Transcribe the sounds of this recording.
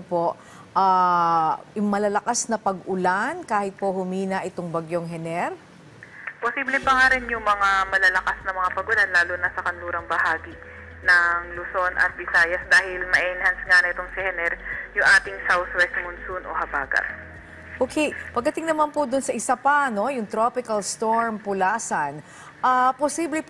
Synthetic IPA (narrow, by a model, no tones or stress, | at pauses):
po̞ʔ | ʔa | jʊŋmɐlɐlɐkasnɐpɐɡʔʊlankaːhɪt̪̚po̞hʊmiːnɐʔɪt̪oŋbɐɡjoŋɦɛnɛɾ | posiblɛpɐŋaɾɛnjʊŋmɐŋamɐlɐlɐkasnɐmɐŋapɐɡʊlanlaːlʊnɐsɐkɐnluːɾɐŋbɐhaːɡi | nɐŋlʊso̞nʔɐ̰t̪̚bɪsaːjɐsd̪aːhɪlmɐʔɛʔɛnhansŋanɐʔɪt̪oŋsɪhɛnɛɾjʊŋʔaːt̪ɪŋsawθwɛst̪mʊnsunʔo̰hɐba̰ːɡɐ̰t̪̚ | ʔoːkʰejpɐɡ̚d̪ɐt̪ɪŋnɐmanpʊd̪ʊnsɐʔɪsɐpɐno̞jʊŋt̪ɾopɪkɐlst̪o̞ɹmpʊlaːsɐn | ʔaposiblɛ